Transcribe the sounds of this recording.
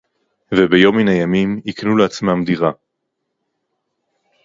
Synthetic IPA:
vebejo̞minajamimiknuleat͡smamdiʁa

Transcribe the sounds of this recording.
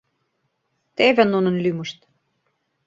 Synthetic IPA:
t̪evʲɘ̆nunɤ̆nlymə̆ʃt̪

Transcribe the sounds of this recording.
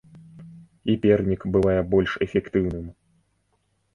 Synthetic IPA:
ipʲɛrnʲikbɨvajɛbɔlʲʂɛfʲɛkt̪ɨwnɨm

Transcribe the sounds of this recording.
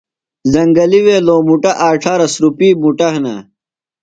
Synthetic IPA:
zɐŋɡɐliweːloːmuʈɐʔaːʈʰaːɾɐsɾupiːmuʈɐɦnɐ̰

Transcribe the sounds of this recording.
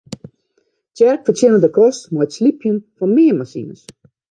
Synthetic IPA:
djɛrkfətʰjenədəkʰɔstmɔjtslipʰjənfɔnmɪːəmasḭnəs

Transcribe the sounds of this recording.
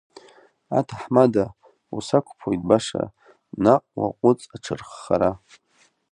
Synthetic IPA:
a̰tʰaħmada | usakʷʰʼpʰojtʼbaʂa̰ | naʔʼwa̰qʷʼʊt͡sʼaʈ͡ʂʰɨrχːaɾa

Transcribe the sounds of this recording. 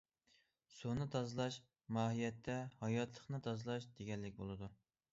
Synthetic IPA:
sunɨt̪ʰɑzlˠɑʃ | mɑːɦijɛt̪ʰːɛhɑjɑt̪ʰlˠəχnɨt̪ʰɑzlˠɑʃd̪̥eɡʲɛnlːɪkʲbolˠɨd̪u

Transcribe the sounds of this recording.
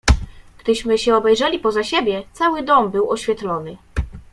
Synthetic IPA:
ɡ̥d̪ɘɕmɘɕɛɔbɛjʐɛlʲipɔzaɕebʲjɛt̪sawɘd̪ɔmbɘwɔɕfʲjɛt̪lɔnɘ

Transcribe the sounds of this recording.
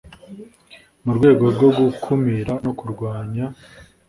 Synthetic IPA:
muɾɡwe̞ːɡo̞ɾɡo̞ɾɡukʰumiɾano̞kuɾɡwaːɲa

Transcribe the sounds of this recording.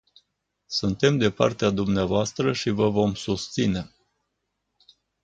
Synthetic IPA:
sunt̪e̞md̪e̞pa̰rt̪ead̪umneavoast̪ɾəʃivəvo̞msust̪sine̞

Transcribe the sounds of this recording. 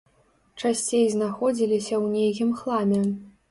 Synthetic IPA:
t͡ʂasʲt͡sʲejznaxɔd͡zʲilʲisʲɐwnʲejɣʲimxlˠamʲɛ

